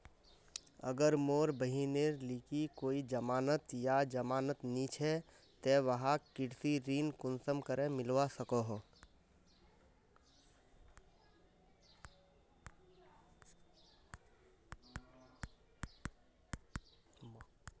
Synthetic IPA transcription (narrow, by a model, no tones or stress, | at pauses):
ə̰ɡəɾmoːɾbəɦineɾlikikoːid͡ʒəmaːnət̪jad͡ʒəmaːnət̪nit͡ʃʰɛ | t̪ɛʋəɦãkɪɽsiɾiːnkʊnsəmkəɾẽmɪlʋasəkoɦ